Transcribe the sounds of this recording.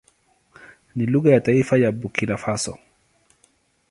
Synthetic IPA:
niluɣajataifajabukilafasɔ̰

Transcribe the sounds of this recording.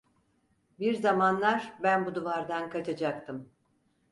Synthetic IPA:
biɾzamanlˠaɾbænbud̪uvaɾd̪ankʰat͡ʃʰad͡ʒak̚t̪ʰɯm

